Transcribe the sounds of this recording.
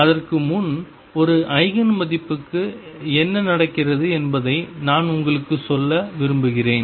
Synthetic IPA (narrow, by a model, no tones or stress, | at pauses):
ɐðɐrkɯmʊn | ɔɾɯʔɐɪɣɐnmɐðɪpːɯkːɯ | ɛnːɐnɐɽɐkːɪrɐðɯɛnbɐðɐɪnaːnʊŋɡɐɭɯkːɯsɔlːɐʋɪɾɯmbɯɣɪreːn